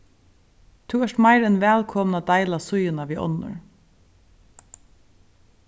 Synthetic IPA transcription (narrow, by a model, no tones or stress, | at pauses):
t̪ʰuːɛʃtmaɪɾɛnʋɛːlkʰɔmnad̪aɪlasʊjənaʋiːʔɔ̰nʊ̰ɹ